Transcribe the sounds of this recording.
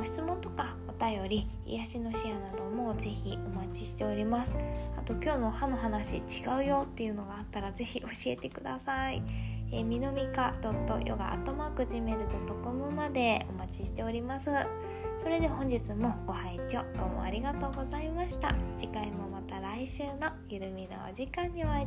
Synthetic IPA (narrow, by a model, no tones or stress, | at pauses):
ɕi̥t͡sɨmõ̞nt̪o̞ka | o̞t̪ajo̞ɾʲi | ḭjaɕino̞ɕijanad̪o̞mo̞ze̞çio̞mat͡ɕi̥ɕi̥t̪e̞o̞ɾʲimasɨ̥at̪o̞kʲo̞ːno̞hanːo̞ɦanaɕit͡ɕiɡaɯ̟jo̞t̪ːe̞jɯ̟no̞ɡaːt̪ːaɾaze̞çiʔo̞ɕie̞̰t̪e̞kɯ̟d̪a̰saḭemʲino̞mʲikad̪o̞t̪ːo̞̰jʔo̰ɡa̰ʔa̰t̪ːo̞maːkɯ̟ʑime̞ɾɯ̟t̪o̞t̪okomɯ̟mad̪e̞o̞̰mat͡ɕiɕi̥t̪e̞o̞ɾʲimasɨ | so̞ɾe̞d̪e̞hõ̞ɲ̟d͡ʑit͡sɨmo̞ɡ̥o̞haet͡ɕo̞ːd̪̥o̞ːmo̞̰a̰ɾʲiɡat̪o̞ːɡo̞zaimaɕi̥t̪a̰d͡ʑikaimo̞mat̪aɾaiɕɨːnojɯɾɯ̟mʲina̰βa̰d͡ʑikãɲ̟ːiβa